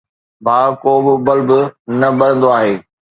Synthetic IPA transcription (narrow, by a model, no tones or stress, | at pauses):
maːkoːbɪbɐlbɪnɐbɐɽə̃nd̪oaːɦeː